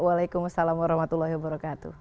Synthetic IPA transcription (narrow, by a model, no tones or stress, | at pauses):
walajkumasalamwaɾɔhmat̪ulːahiwabəɾɔkat̪ṵh